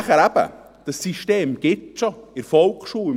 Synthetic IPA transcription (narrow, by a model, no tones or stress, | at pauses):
χəɾæb̥ə̰ | d̥əsiʃteːmɡ̥ɪtʃoɪɾfɔlkχʃuː